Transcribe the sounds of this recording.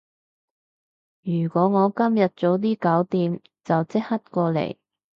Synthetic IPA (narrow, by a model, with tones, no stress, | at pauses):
jyː˨˩kʷɔː˨˥ŋɔː˨˧kɐ˥mjɐ˨t̚t͡so˨˧˥wt̪̬iː˥kɐ˨˥wt̪iː˨m | t͡sɐ˨wt͡sɪ˥k̚hɐ˥t̚kɔː˧lḛ˨˩j